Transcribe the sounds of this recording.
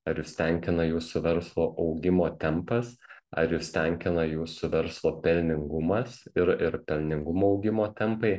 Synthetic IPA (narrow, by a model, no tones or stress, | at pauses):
ɐɾjʊst̪ʲɛŋʲkʲɪnɐjuːsʊʋʲɛɾslˠoːʔɐʊɡʲɪmoːt̪ʲɛmpɐsɐ̰ɾjʊst̪ʲɛŋʲkʲɪnɐjuːsʊʋʲɛɾslˠoːpʲɛlʲnʲɪŋɡʊmɐsɪɾɪɾpʲɛlʲnʲɪŋɡʊmoːɒʊɡʲɪmoːt̪ʲɛmpɐɪ